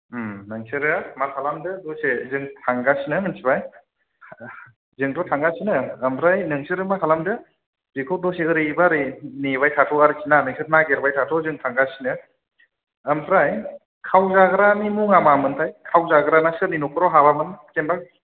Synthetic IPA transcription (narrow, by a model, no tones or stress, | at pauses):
nɯŋsɯɾɯmatʰalamdɯdɔsezɯŋtʰaŋɡasinɯnɯnsʰibaj | zɯŋtʰɔtʰaŋɡasinɯːmpʰɾajnɯŋsɯɾɯmatʰalamdɯ | bikʰɔdɔseɯɾibaɾinibajtʰatʰɔaɾisinanɯŋsʰɯɾ̚naɡeɾbajtʰatʰɔzɯŋtʰaŋɡasinɯ | əmpʰɾaj | kʰawzaɡɾanimuŋamamɯntʰajkʰawzaɡɯɾanasɯɾninukʰɯɾɔɦabamɯnkenba